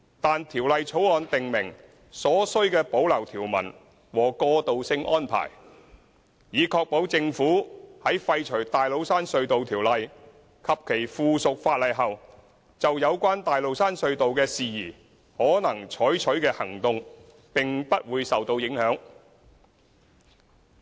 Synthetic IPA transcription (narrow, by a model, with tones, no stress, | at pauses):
t̪aː˨nt̪ʰiː˨˩wlɐ˨˧jt͡ʃʰo˨˥wɔː˨˧nt̪ɪ˨ŋmɪ˨˩ŋ | sɔː˨˥sɵ˥ɥkɛː˧po˨˥wlɐ˨˩wt̪ʰiː˨˩wmɐ̰˨˩n | wɔː˨˩kɔː˧t̪o˨wsɪ˧ŋʔɔ̰ː˥npʰa̰ː˨˩j | jiː˨˧kʰɔː˧k̚po˨˥wt͡sɪ˧ŋfuː˨˥hɐ˨˥jfɐ˧jt͡ʃʰɵ˨˩ɥt̪aː˨jlo˨˧wsaː˥nsɵ˧ɥt̪o˨wt̪ʰiː˨˩wlɐ˨j | kʰɐ˨p̚kʰe˨˩jfuː˨sʊ˨k̚faː˧t̚lɐ˨jɦɐ˨w | t͡sɐ˨wjɐ˨˧wkʷaː˥nt̪aː˨jlo˨wsaː˥nsɵ˧ɥt̪o˨wkɛː˧siː˨jiː˨˩ | hɔː˨˥nɐ˨˩ŋt͡ʃʰɔː˨˥jt͡ʃʰɵ˨˥ɥkɛː˧hɐ˨˩ŋt̪ʊ˨˧ŋ | pɪ˨ŋpɐ˥t̚wuː˨˧jsɐ˨wt̪o˧wjɪ˨˥ŋhœː˨˥ŋ